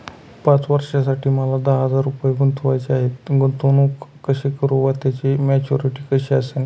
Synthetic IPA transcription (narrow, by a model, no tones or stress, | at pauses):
pãt͡sʋəɾʂasaʈiːməlad̪əɦəd͡zaɾːupjeɡunt̪ʰʋajt͡ɕeaɦet̪ɡunt̪onuːkkːəɕekəɾuʋat̪jat͡ɕimɛt͡ɕuɾiʈiːkəɕiəsen